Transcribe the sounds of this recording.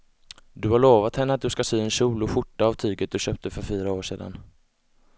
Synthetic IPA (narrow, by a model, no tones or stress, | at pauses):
d̪ɵhaɭoːvat̪hɛnːəat̪̚d̪ɵskasyːɛnɕuːlɔɧʊʈːaːvt̪ʰyːɡət̪̚d̪ɵɕøːp̚t̪əfœɾfyːɾaoːʂeːd̪a̰n